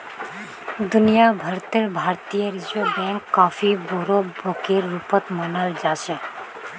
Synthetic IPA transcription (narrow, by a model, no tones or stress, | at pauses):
d̪ʊnijabʱəɾt̪eɾbʱaːɾt̪ijəɾɪd͡ʒʋebɛ̃ːŋkːaːfiboɾobokeɾːuːpət̪mənəld͡ʒaːʃe